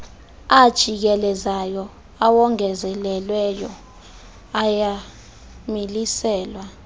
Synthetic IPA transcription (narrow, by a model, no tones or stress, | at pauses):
ad̥ʒ̥ʱik̬ɛlɛzajɔ | awɔŋɛzɛlɛlwɛjɔ | aja | milisɛːlwa